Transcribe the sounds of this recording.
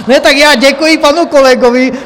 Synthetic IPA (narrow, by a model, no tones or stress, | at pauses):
nɛt̪akjaːɟɛkuipanukɔlɛɡɔʋi